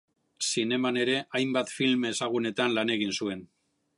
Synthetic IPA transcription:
sine̞mane̞ɾe̞ʔajmbat̪filmesaɣ̞une̞t̪anlane̞ɣ̞insue̞n

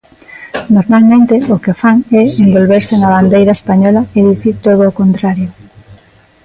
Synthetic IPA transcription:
noɾmalmẽnt̪eokefaŋɛembolβeɾseŋaβand̪ejɾaespaɲɔlaeðiθiɾt̪oð̞oːkont̪ɾaɾjʊ

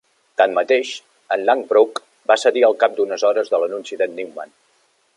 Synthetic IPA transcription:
t̪ammət̪eʃ | ənlaŋbɾuk | basəðiəlˠkap̚d̪unəzɔɾəzðələnunsiðəniwma̰n

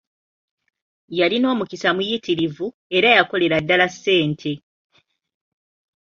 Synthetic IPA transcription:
jalino̞ːmukisamujitiɾivu | e̞ɾajako̞le̞ɾadːalasːe̞ːntʰe̞

